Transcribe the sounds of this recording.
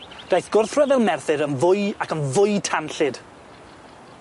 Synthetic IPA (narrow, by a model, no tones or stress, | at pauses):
d̥ajθɡ̥ʊrθrɛvɛlˠmɛrθɨɾənvʊɨakʰənvʊɨtʰanɬɪd̥